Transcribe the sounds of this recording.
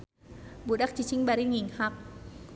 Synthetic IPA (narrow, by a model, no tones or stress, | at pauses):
budak̚t͡ɕit͡ɕʰiŋbaɾiŋiŋhap̚